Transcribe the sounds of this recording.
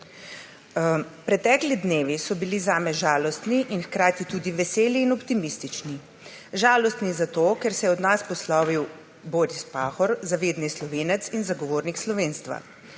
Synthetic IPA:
pɾɛt̪ɛːklid̪neːʋisɔbilizaːmɛʒaːlɔst̪niʔinxkɾaːt̪it̪uːd̪iʋɛseːliːnɔpt̪imist̪it͡ʃni | ʒaːlɔst̪nizat̪oːkɛɾsɛjɛɔd̪naspɔslaʋiw | boːɾispaːxɔɾzaʋeːd̪nislɔʋeːnɛt̪sinzaɡɔʋoːɾnikslɔʋeːnst̪ʋa̰

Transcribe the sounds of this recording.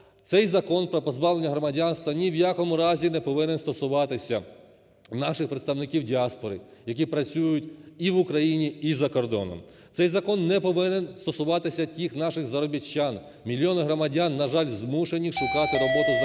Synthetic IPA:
t̪sɛjzɐkɔnpɾɔpɔzbɑwlˠenʲːɐɦɾɔmɐdʲanst̪ʋɐnʲiwjakɔmʊɾɑzʲinɛpɔʋɪnenst̪ɔsʊʋɑt̪ɪsʲɐ | nɑʃɪxpɾet̪st̪ɐʋnɪkʲiwdʲiɑspɔɾɪ | jɐk̬ʲipɾɐt͡sʲujʊtʲiʋʊkɾɐjinʲiizɐkɔrd̪ɔ̰nɔ̰m | t̪sɛjzɐkɔnːɛpɔʋɪnenst̪ɔsʊʋɑt̪ɪsʲɐtʲixnɑʃɪxzɐɾɔbʲit͡ʃːan | mʲilʲjɔnɪɦɾɔmɐdʲanːɐʒɑlʲzmuʃenʲiʃʊkɑt̪ɪɾɔbɔt̪ʊ

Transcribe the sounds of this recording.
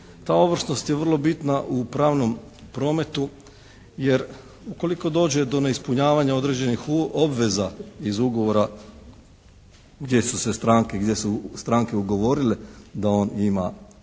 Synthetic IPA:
t̪aːo̞ʋr̩sno̞st̪jeʋər̩lˠo̞bit̪naʔupɾaːʋno̞m | pɾo̞ːme̞t̪u | je̞ɾ | uko̞liko̞d̪o̞ːd͡ʑe̞d̪o̞ne̞ispuɲaːʋaɲao̞d̪ɾe̞d͡ʑenixo̞bʋe̞zaizuɡo̞ʋo̞ɾa | ɡd̪jesuse̞st̪ɾaːŋkeɡd̪je̞sust̪ɾaːŋke̞uɡo̞ʋo̞ɾiled̪ao̞ːnima̰

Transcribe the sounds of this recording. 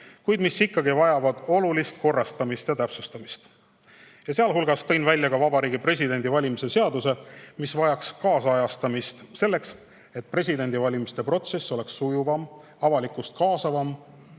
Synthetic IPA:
kujd̪misikːɑɡivɑjɑvɑd̪̥o̞lulist̪̚ko̞rːɑst̪ɑmist̪jɑt̪æpsust̪ɑmist̪ | jɑseɑlɦulɡ̥ɑst̪ɤjnvælʲjɑkɑvɑbɑɾiːɡipre̞s̬ʲid̪e̞nʲd̪ivɑlʲimise̞se̞ɑd̪use̞misvɑjɑkskɑːsɑjɑst̪ɑmist̪se̞lːe̞ks | e̞t̪̚pre̞s̬ʲid̪e̞nʲd̪ivɑlʲimist̪e̞pro̞t̪se̞sːo̞le̞ksːujuvɑm | ɑvɑlikust̪̚kɑːsɑvɑm

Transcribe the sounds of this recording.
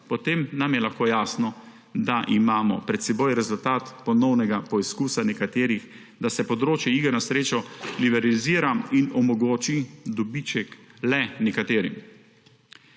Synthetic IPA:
pɔt̪emnamjɛlaxkoːjaːsnɔ | d̪aʔimaːmɔpɾɛt̪sɛboːjɾɛzult̪aːt̪pɔnɔwnɛɡapɔiskuːsanɛkat̪eːɾix | d̪asɛpɔd̪ɾoːt͡ʃjɛiɡanasɾeːt͡ʃɔlibɛɾaliziːɾainɔmɔɡoːt͡ʃid̪ɔbit͡ʃɛklɛnɛkat̪eːɾim

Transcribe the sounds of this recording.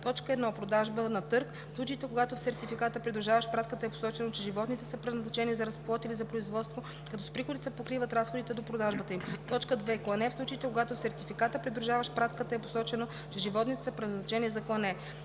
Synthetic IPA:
t̪ɔt͡ʃkəɛd̪nɔpɾod̪aʒbənɐt̪ɤɾk | slˠut͡ʃiit̪ɛkoɡat̪ofsɛɾt̪ifikat̪əpɾid̪ɾuʒavəʃpɾat̪kət̪əɛpo̥sɔt͡ʃɛnot͡ʃɛʒivɔt̪nit̪ɛsəpɾɛd̪nɐznɐt͡ʃɛnizɐɾɐsplˠɔt̪ilizɐpɾoizvɔt̪st̪vo | kɐt̪ɔspɾixod̪it̪sɛpokɾivət̪ɾasxod̪it̪ɛd̪opɾod̪aʒbət̪əimt̪ɔt͡ʃkəd̪vɛklˠɐnɛfslˠut͡ʃəit̪ɛkoɡat̪osɛɾt̪ifikat̪əpɾid̪ɾuʒavəʃpɾat̪kət̪əɛpo̥sɔt͡ʃɛno | t͡ʃɛʒivɔt̪nit̪ɛ̥spɾɛznɐznɐt͡ʃɛnizɐklˠɐnɛ

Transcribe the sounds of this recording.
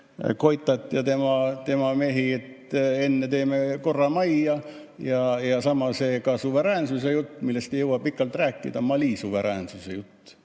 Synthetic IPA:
ko̞jt̪ːˑɑt̪ːˑjɑt̪e̞mɑt̪e̞mɑme̞ɦiet̪e̞nːet̪e̞ːmeko̞rːɑmɑjɑ | jɑjɑsɑmɑseːkɑsuve̞ɾæːnsusejut̪ːmilːest̪ejewɑpikːˑɑlt̪ræːkːˑḭd̪̥ɑmɑlisuve̞ɾæːnsusejut̪ː

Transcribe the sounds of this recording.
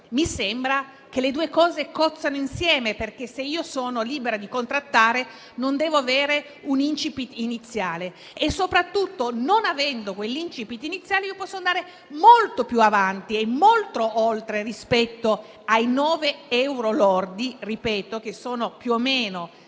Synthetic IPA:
misembɾa | k̟eled̪uːekɔːzekɔt̪sːanoinsjɛːmeperk̟eseiːosoːnoliːbeɾad̪ikont̪ɾat̪ːaːɾe | nond̪ɛːvoaveːɾe | unint͡ʃipit̪init̪sːjaːleː | sːopɾat̪ːut̪ːononavɛnd̪okwelːint͡ʃipit̪ːinit̪sːjaːleiːopɔsːoand̪aːɾe | molt̪opjuavant̪iemolt̪ɾoolt̪ɾerispɛt̪ːo | ajnɔːveɛwɾolord̪iripɛːt̪ok̟esːoːnopjuomːeːno

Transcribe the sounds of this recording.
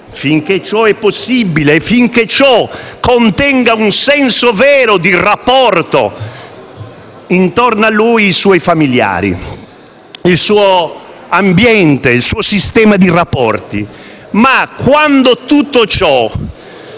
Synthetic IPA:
fiŋket͡ʃɔɛpːosːibileːfːiŋket͡ʃɔkːont̪ɛŋɡaunsɛnsovɛːɾod̪irapːɔrt̪o̰ | int̪ɔrnalːuːjːsuɔjfamilja̰ːɾḭ | ilsuːo | ambjɛnt̪eilsuːosist̪ɛːmad̪irapːɔ̰rt̪ḭ | makːwand̪ot̪ut̪ːot͡ʃɔ

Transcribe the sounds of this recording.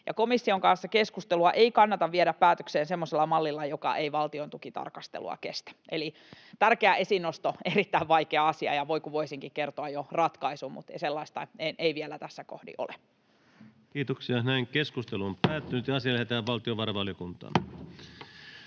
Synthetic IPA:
jɑkomisːioŋkɑnsːɑkeskust̪eluɑʔeikɑnːɑt̪ɑʋʋieɾæppæːt̪økseːnsemːoselːɑmɑlːilːɑjokɑ̰ʔeiʋɑlt̪iont̪ukit̪ɑ̰rkɑst̪ḛlṵɑ̰kest̪æ̥ʔeli | t̪ærkeæʔesinːost̪oerit̪ːæiʋʋɑikeɑɑsiɑ̰jɑʋoikuʋoisiŋkikert̪oɑjorɑt̪kɑisummṵt̪ḛiselːɑist̪ɑ̰enʔeiʋielæt̪æsːæko̰hdḭʔo̰le | kiːt̪oksiɑnæiŋkeskust̪eluompæːt̪ːynyt̪jɑɑsiɑlæhet̪æːʋʋɑlt̪ioʋɑrɑʋɑljokunt̪ɑ̰ːn

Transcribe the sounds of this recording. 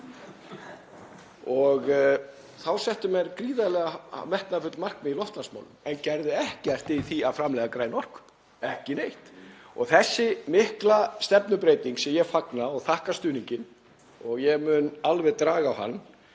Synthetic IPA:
ɔɣ | θawsɛht̪ʏmɛɾkɾiːðalɛɣa̰mɛht̪nafʏt̪mar̥kmɛðilɔft̪lansma̰wlʏmɛncɛɾðɪɛhcɪar̥t̪ɪθiaðfɾamlɛːɣakɾaːjnɔr̥k | ɛhcɪnejht̪ɔ̰ɣθɛsːɪmɪhklast̪ɛpnʏpɾeːjt̪iŋksɛmjɛɣfaknaɔɣθahkast̪ʏːniɲcɪn | ɔɣjɛmʏnalvɛðt̪ɾaːɣaːwha̰nː

